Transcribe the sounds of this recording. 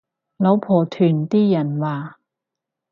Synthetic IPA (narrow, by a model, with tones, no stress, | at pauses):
lo˨˥wpʰɔː˨˩t̪ʰyː˨˩nt̪iː˥jɐ˨˩nwaː˨